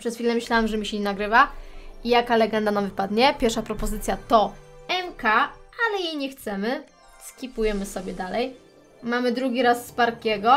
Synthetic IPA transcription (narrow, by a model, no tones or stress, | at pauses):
pʂɛsfʲilɛmɘɕlawɛmʐɛmʲiɕɛɲɛnaɡɾɘvaijakalɛɡɛnd̪anamvɘpad̪ɲɛpʲjɛɾʂapɾɔpɔzɘt̪sʲjat̪ɔɛmkaalɛjejɲɛxt̪sɛmɘ | skʲipujɛmɘsɔbʲɛd̪alɛj | mamɘd̪ɾuɡʲiɾasːpaɾkʲɛɡɔ